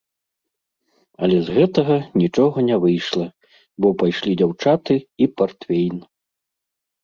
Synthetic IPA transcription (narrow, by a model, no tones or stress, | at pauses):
ɐ̰lʲɛzɣɛt̪ɐɣɐnʲit͡ʂɔɣɐnʲɛvɨjʂlˠɐ | bɔpajʂlʲid͡zʲawt͡ʂat̪ɨipart̪fʲejn